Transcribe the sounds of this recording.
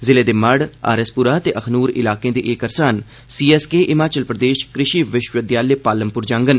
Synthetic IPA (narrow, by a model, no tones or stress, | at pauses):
zɪleːd̪eːməɽa̰ːɾəspʊɾaːt̪eːʔəkʰnuːɾɪ̰laːkẽːd̪eːʔeːkəɾsaːn | siːɛːskeːʔɪmaːt͡ʃəlpɾəd̪eːʃkɾɪʃiːʋɪʃʋəd̪jaːlepaːləmpʊɾd͡ʒãːŋɡən